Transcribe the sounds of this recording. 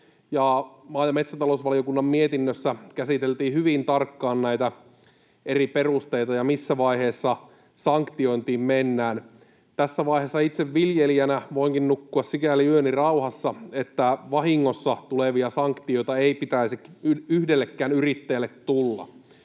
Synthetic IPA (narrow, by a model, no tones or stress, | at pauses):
jɑmɑːjɑmet̪sæt̪ɑlousʋɑliokunːɑmmiet̪inːøsːækæsit̪e̞lt̪iːhyʋint̪ɑrkːɑːnnæit̪æ | eriperust̪e̞it̪ɑjɑmisːæʋɑiheːsːɑ | sɑŋkt̪io̞jnt̪iːmmenːæːn | t̪æsːæʋɑihesːɑit̪seʋʋiljeliænæʋoiŋkinnukːuɑssikæliyønirɑuhɑsːɑet̪ːæʋɑɦiŋːo̞sːɑt̪uleʋiɑsɑŋkt̪io̞jt̪ɑeipit̪æisikyhdelːekːæːnyrit̪ːejlːet̪t̪ulːɑ̰